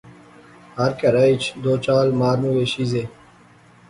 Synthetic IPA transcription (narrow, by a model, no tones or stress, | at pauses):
hɐɾkɐɾait͡ʃʰd̪oːt͡ʃaːlmaːɾnuːweːɕiːzeː